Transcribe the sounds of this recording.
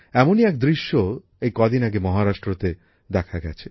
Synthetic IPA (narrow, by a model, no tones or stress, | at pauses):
ɛmoniɛk̚d̪ɾiʃːo | ejkɔd̪inaɡemɔɦaɾaʃʈɾot̪e | d̪ɛkʰaɡɛ̰t͡ɕʰe̥